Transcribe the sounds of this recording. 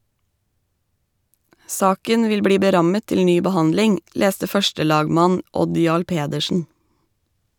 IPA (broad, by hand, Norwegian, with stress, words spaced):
ˈsɑːkən ˈʋɪl ˈbɽiː bəˈɾɑmə ˈtɪl ˈnyː bəˈhɑndlɪŋ ˈleːstə ˈfœʃʈəˌlɑːɡmɑn ˈʔɔd ˈjɑːɭ ˈpeːdəʃn̩